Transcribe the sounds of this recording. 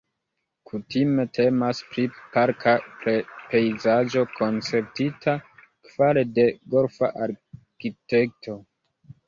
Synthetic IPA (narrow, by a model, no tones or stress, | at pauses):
kʰutime̞tʰe̞maspɾipaɾkʰapɾepe̞jzad͡ʒo̞kʰo̞nt͡se̞ɾtitʰa | kv̥ale̞de̞ɡolfa̰ʔaɾ | kite̞k̚tʰo̞